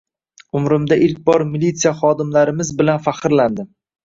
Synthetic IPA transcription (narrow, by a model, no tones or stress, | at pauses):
ʊmɾɪmd̪aʔɪlkʲbɒɾmilit̪sijaχɒd̪ɪmlaɾɪmɪzbɪlanfaqɨɾland̪ɪm